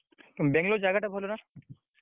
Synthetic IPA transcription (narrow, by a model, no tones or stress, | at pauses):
kẽbɛŋloɾd͡ʑaɡaʈabʱɔlona